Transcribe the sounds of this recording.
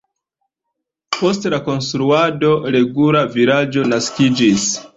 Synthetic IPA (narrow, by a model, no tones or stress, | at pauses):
po̞stelako̞nstɾuado̞ɾe̞ɡulavilad͡ʒo̞naskid͡ʒis